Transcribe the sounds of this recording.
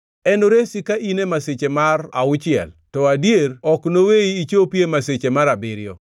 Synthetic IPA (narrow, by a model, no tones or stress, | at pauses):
ɛnoɾesikaʔinemaset͡ʃemara̰ʊt͡ʃɪɛ̰ltɔadjerɔknoweiːt͡ʃopjemaset͡ʃemaɾabɪɾɪjɔ